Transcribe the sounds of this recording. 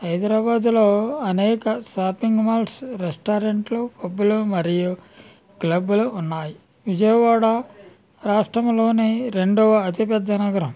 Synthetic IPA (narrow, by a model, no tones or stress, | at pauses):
ɦɐjd̪ɾaːbaːd̪uloːɐnɛːkɐsaːpiŋɡmaːlsɾesʈaːɾeɳʈlokobːulumɐɾiju | klɐbuluːnːaːji | ʋid͡ʒɐjɐʋaːɽɐ | ɾaːʂʈɾɐmlo̞ːneɾe̞ɳɖɔʋɐɐt̪ipɛd̪ːɐnɐɡɐɾɐm